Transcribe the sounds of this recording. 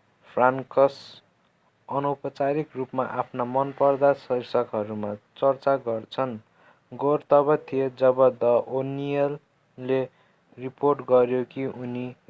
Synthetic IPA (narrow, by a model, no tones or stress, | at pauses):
pʰrankʌs | ʌnupʌt͡saɾikrupmaʔapʰnamʌnpʌrd̪asʌɦirsʌkɦʌɾumat͡sʌrt͡saɡʌrt͡sʰʌn | ɡort̪ʌbʌt̪ʰijed͡zʌbʌd̪ʌʔonijʌlː | e | riporʈɡʌɾjokiʔuni